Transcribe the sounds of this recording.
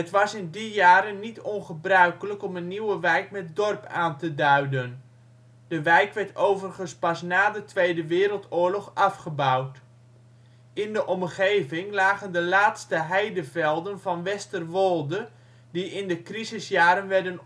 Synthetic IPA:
ətʋɑsɪndijaːɾənːitʰɔnχəbrœɥkələkɔmənːiwəʋɛjkmɛt̚dɔrpʰaːntədœɥdən | d̥əʋɛjkʋɛɹtowvərχənspɑsnaːdətʋejdəʋɪːɾəlˠtʊːɹlɔχɑfχəbɑwt | ɪndəʔɔmχejvɪŋlaːɣəndəlaːtstəɦɛjdəvɛlˠdənvɑnʋɛstərʋɔlˠdə | diʔɪndəkrizɪsjaːɾənʋɛɹdən

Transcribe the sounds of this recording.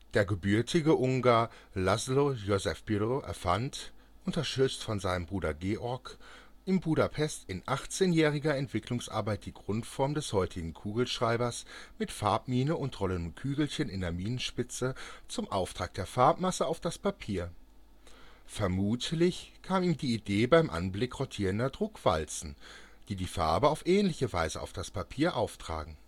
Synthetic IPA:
d̥eːɐɡəbyɐtʰɪɡəʔʊŋɡaːɐ | lazlojozɛfb̥ydoʔɛ̰ɐfant | ʔʊntɐʃtʏt͡stfɔnzaɪnəmbʁuːɾɐ̰ɡeːʔɔɐkʔɪmbuːɾapʰɛstɪnʔaχt͡seːnjɛːʁɪɡɐɛntv̥ɪklʊŋsʔa̰ɐbaɪt̚d̥iːɡʁʊntfɔɐmdɛshɔʏtʰɪɡŋ̩kʰuːɡl̩ʃʁ̥aɪbɐsmɪtfaɐp̚miːnəʊntʁɔləndəmkʰyːɡl̩çənɪndeːɐmiːnənʃpɪt͡sət͡sʊmʔaʊftʁ̥aːk̚d̥eːɐfaɐpmasəaʊfd̥aspʰapʰiːɐ | fɛɐmuːtʰlɪçkʰaːmiːmdiːideːbaɪmʔa̰nblɪkʁɔtʰiːʁəndɐdʁʊkv̥a̰lt͡sn̩d̥iːdiːfa̰ɐbəaʊfʔɛːnlɪçəva̰ɪzəʔa̰ʊfd̥aspʰapʰiːɐʔaʊftʁ̥a̰ːɡŋ̩

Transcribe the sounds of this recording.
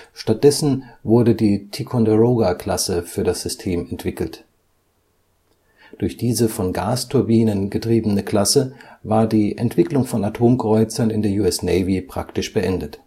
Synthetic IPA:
ʃtat̚d̥ɛsn̩vʊɐdədiːtʰikʰɔndəʁoːɡakl̥asəfyːɐdasz̥ʏstʰeːmɛntv̥ɪkl̩t | d̥ʊɐçd̥iːzəfɔnɡaːstʰʊɐbiːnənɡətʁ̥iːbənəkl̥asəvaːɐdiːʔɛntv̥ɪklʊŋfɔnatʰoːmkʁ̥ɔʏt͡sɐnɪndeːɐjuːɛsnɛɪvipʁ̥a̰ktɪʃb̥əʔɛndət

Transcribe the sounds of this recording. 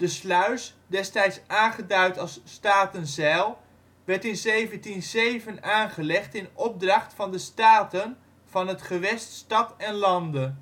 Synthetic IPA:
d̥əslœɥs | dɛstɛjtsaːnχədœɥtɑlˠsːtaːtənzɛlˠ | ʋɛɹtɪnzejvəntinzejvənaːnχəlɛχtɪnɔb̚drɑχtfɑndəstaːtən | v̥ɑnɦətχəʋɛststɑtɛnlɑndən

